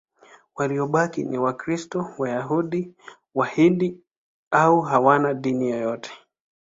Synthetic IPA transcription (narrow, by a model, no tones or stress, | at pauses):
waliɔɓakiniwakɾistɔwajaɦuɗi | wahiɗi | auɦawanaɗinijɔjɔtʰɛ̥